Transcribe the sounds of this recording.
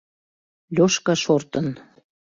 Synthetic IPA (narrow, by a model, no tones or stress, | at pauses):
lʲoʃkɑʃort̪ən